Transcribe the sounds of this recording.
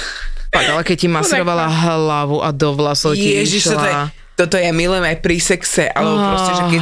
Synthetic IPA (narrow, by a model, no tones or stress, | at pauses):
faɡalɛkɛccimasɾɔʋalaɦlaʋuʔad̪ɔʋlasɔwiɛʒiʃl | t̪ɔt̪ɔjamiluɛmajpɾisɛksɛʔa̰lɛbɔpɾɾɔsɛʒɛkɛ